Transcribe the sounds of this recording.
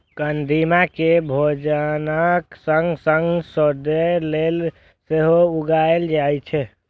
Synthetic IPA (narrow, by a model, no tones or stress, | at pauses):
kənd̪imakebʱod͡ʒənəksəŋɡsəŋɡsɔd̪elel | seɦouɡaeld͡ʒajt͡ʃʰɛ